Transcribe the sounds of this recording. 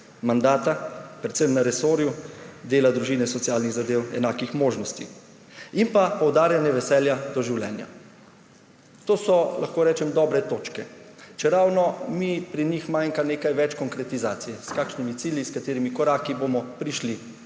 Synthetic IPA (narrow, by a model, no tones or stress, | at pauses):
mand̪aːt̪apɾɛt̪səmnaɾɛsoːɾjud̪eːlad̪ɾuʒiːnɛsɔt̪sijaːlniɣzad̪eːwɛ̰naːkixmoːʒnɔst̪i | inpapɔwd̪aːɾjanjɛʋɛsɛːljad̪ɔʒiwlɛ̰nja̰ | t̪oːsɔlʔaxkoːɾɛːt͡ʃɛmd̪ɔːbɾɛt̪oːt͡ʃkɛt͡ʃɛɾawnɔmipɾinixmajŋkaneːkajʋɛt͡ʃkɔŋkɾɛt̪izaːt̪sijɛskaːkʃnimit̪siːljiskat̪eːɾimikɔɾaːkibomɔpɾiʃli